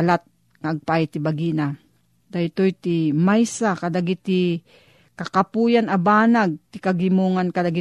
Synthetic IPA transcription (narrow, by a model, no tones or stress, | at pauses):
lat̪̚ | ŋaːɡ̚pajt̪ɪbaɡina | d̪ajt̪ojt̪ɪmajsakad̪aɡit̪ɪ | kakapujanabaːnaɡ̚t̪ɪkaɡɪmuŋankad̪aɡɪ